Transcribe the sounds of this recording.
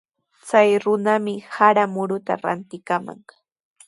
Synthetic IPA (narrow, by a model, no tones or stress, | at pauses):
t͡sajɾʊnamɪhaɾamʊɾʊt̪a̰ɾa̰nt̪ɪkama̰ŋ